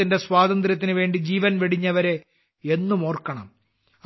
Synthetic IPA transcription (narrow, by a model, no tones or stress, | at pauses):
inde̞swaːd̪ɐnd̪ɾɐt̪̬ːinɨʋe̞ːɳɖid͡ʑiːʋɐnʋeɽiɲːɐʋɐɾe̞ | enːumo̞ːrkɐɳɐ̰m